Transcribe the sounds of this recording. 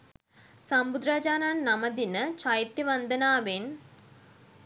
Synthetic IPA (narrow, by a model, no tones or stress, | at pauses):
sɐmbud̪ɾad͡ʑaːnaːnnɐmɐd̪inət͡ʃɐjt̪ːiʋɐnd̪ʱɐnaːʋeːn